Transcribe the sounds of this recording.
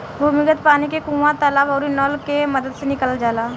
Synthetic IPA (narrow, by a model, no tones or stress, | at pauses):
bʱuːmɪɡət̪paːnikekũːʋãt̪əlaːbɔːɾɪnɔlkeməd̪əd̪senɪkəld͡ʒaːlaː